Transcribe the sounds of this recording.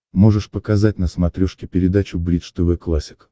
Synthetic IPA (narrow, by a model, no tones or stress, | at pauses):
mo̞ʐɨʂpəkazat̚ʲnəsmɐt̪ɾʲoʂkʲɪpʲɪɾʲɪd̪at͡ɕʊblʲit̪ʂt̪ɨvɨjklˠasʲɪk